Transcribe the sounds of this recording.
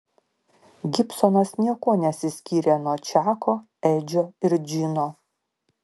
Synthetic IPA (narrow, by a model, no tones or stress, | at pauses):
ɡʲɪpsɔnɐsnʲiɛkoːnʲɛsʲɪsʲkʲiːɾʲeːnuɔt͡ʃʲæːkoː | ɛɪd͡ʒʲoːɪɾd͡ʒʲɪnoː